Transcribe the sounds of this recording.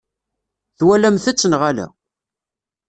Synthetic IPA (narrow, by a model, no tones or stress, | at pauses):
θwælæmθæt͡sːənʁalæ̰